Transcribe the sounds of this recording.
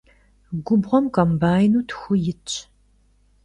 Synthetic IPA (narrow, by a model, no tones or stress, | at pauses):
ɡʷʊbʁʷɔmkɐmbaːjnuːtʰxʷʊjɪt͡ʃʼ